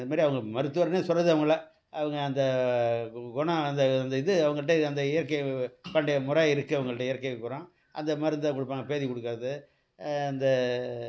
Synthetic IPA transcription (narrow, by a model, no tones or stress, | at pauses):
ðɯmaːɾiɐʋɐŋɡɐmɐɾɯt̪ːɯʋɐɾneːsɔrːɐðɯɐʋɐŋɡɐɭa | ɐʋɐŋɡɐːnd̪ɐ | ɡʊɳɐ̃ɐnd̪ɐɐnd̪ɐɪðɯɐʋɐŋɡɐɭɯʈ̬ːeɐnd̪ɐɪjɐɾkɐpɐɳɖɐjɐmʊɾɐɪɾɯkːɯɐʋɐŋɡɐɭɯʈːeɪjɐɾkːɐekːʊɾõː | ʔɐ̰nd̪ɐmaːɾɯnd̪akɔɽɯpːaːŋɡɐpeːðikɔɽɯkːɾɐðɯ | ɐnd̪ɐ